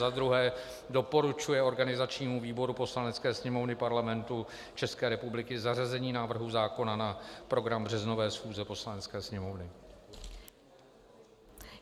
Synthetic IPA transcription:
ad̪ɾuɦɛː | do̞po̞ɾut͡ʃujɛo̞ɾɡanɪzat͡ʃɲiːmuviːbo̞ɾupo̞slanɛt͡skɛːsɲɛmo̞vnɪpaɾlamɛnt̪u | t͡ʃɛskɛːɾɛpublɪkɪzarazɛɲiːnaːvr̩ɦuzaːko̞nanapɾo̞ɡɾambr̝ɛzno̞vɛːsxuːzɛpo̞slanɛt͡skɛːsɲɛmo̞vnɪ

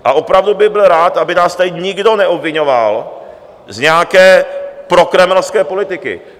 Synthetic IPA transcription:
ʔaʔo̞pɾavdubɪbɪlɾaːt̪ʔabɪnaːst̪aɲɪɡdo̞nɛʔobvɪɲo̞val | zɲɛakɛːpɾo̞kɾɛmɛlskɛːpo̞lɪt̪ɪkɪ̰

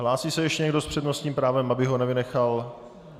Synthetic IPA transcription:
ɦlaːsiːsɛjɛʃcɛɲɛɡdo̞spr̝̥ɛdnost̪ɲiːmpɾaːvɛmʔabɪɦonɛvɪnɛxal

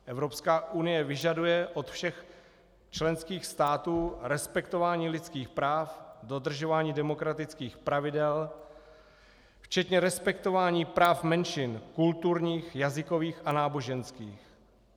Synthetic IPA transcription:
ʔɛvɾopskaːʔunɪjɛvɪʒadujɛʔot̪fʃɛx | t͡ʃlɛnskiːxst̪aːt̪uːɾɛspɛk̚t̪ovaːɲiːlɪt͡skiːxpɾaːfdo̞d̪r̩ʒo̞vaːɲiːdɛmo̞kɾat̪ɪt͡skiːxpɾavɪdɛl | ft͡ʃɛt̪ɲɛɾɛspɛk̚t̪o̞vaːɲiːpɾaːfmɛnʃɪnkult̪uɾɲiːxjazɪko̞viːxanaːbo̞ʒɛnskiːx

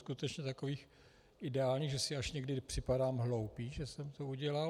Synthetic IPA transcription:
skut̪ɛt͡ʃɲɛt̪akoviːx | ʔɪdɛaːlɲiːɣʒɛsɪaʃɲɛɡdɪpr̥ɪpadaːmɦlowpiːʒɛsɛmt̪ouɟɛla

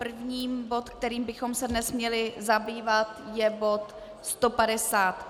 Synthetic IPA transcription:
pr̩vɲiːmbo̞t̪k̚t̪ɛɾiːmbɪxo̞msɛdnɛsmɲɛlɪzabiːvat̪jɛbo̞t̪ | st̪o̞padɛsaːt̪

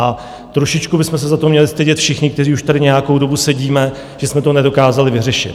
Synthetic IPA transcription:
ʔa | t̪ɾo̞ʃɪt͡ʃkubɪsmɛsɛzat̪o̞mɲɛlɪst̪ɛɟɛt̪fʃɪxɲɪkt̪ɛriːuʃt̪adɪɲɛjako̞wdo̞busɛɟiːmɛ | ʒ̥ɛsmɛt̪onɛdo̞kaːzalɪvɪr̝ɛʃɪ̰t̪

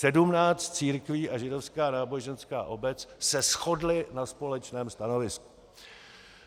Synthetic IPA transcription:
sɛdumnaːt͡st̪t͡siːɾkviːʔaʒɪdo̞fskaːnaːbo̞ʒɛnska̰ːʔo̞bɛt͡ssɛsxo̞dlɪnaspo̞lɛt͡ʃnɛːmst̪ano̞vɪsku̥

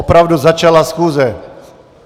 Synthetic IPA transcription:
opɾavduzat͡ʃalasxuːzɛ

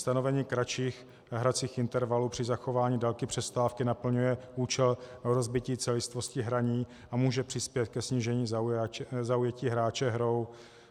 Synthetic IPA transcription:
st̪ano̞vɛɲiːkɾat͡ʃiːx | ɦɾat͡siːxʔɪnt̪ɛɾvalupr̥ɪzaxovaːɲiːdalkɪpr̝̥ɛst̪aːfkɪnapl̩ɲujɛʔuːt͡ʃɛloɾo̞zbɪciːt͡sɛlɪst̪vo̞scɪɦɾaɲiː | ʔamuːʒɛpr̥ɪspjɛt̪̚kɛsɲiːʒɛɲiː | zaujɛciːɦɾaːt͡ʃɛɦɾo̞w

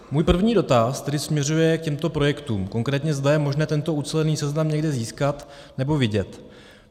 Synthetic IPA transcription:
muːjpr̩vɲiːdo̞t̪ast̪ɛdɪsmɲɛrujɛk̚cɛmt̪o̞pɾo̞jɛkt̪uːmko̞ŋkɾɛːt̪ɲɛzdajɛmo̞ʒnɛːt̪ɛnt̪o̞ʔut͡sɛlɛniːsɛznamɲɛɡdɛziːskat̪ | nɛbo̞vɪɟɛt̪

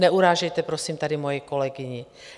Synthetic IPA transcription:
nɛuɾaːʒɛjt̪ɛpɾɔsiːmt̪ad̪imɔjɛkɔlɛɡiɲi

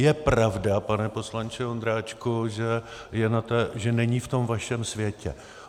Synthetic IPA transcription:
jɛpɾavdapanɛpo̞slaɲt͡ʃɪond̪ɾaːt͡ʃkoʒɛjɛnat̪ɛʒɛnɛɲift̪o̞mvaʃɛmsvjɛcɛ̰

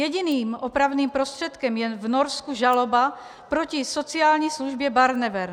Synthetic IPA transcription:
jɛɟiniːmopɾavniːmpɾost̪r̥ɛt̪kɛmjɛvnoɾskuʒaloba | pɾocɪsot͡sɪaːlɲisluʒbjɛbaɾnɛvɛɾ

